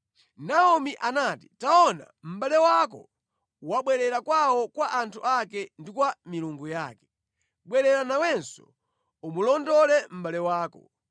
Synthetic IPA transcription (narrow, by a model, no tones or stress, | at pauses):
naɔmiʔanati̥taɔna̰m̩ɓalɛwakɔ̰ | waɓwɛɾɛɾakwawɔkwaʔantʰuʔakɛndikwamiluŋɡuja̰ːkɛ̥ | ɓwɛɾɛɾanawɛnsɔ̰ | umulɔndɔlɛm̩ɓalɛwaːkɔ